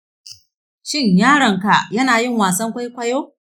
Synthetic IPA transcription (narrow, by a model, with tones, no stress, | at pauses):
ʃɪ˦˨ɲjaː˦ɽɐ˨ŋka˨jɐ˦naː˨jɪ˦˨ŋwaː˨sɐ˦ŋkʷa˦jkʷɐ˦joː˦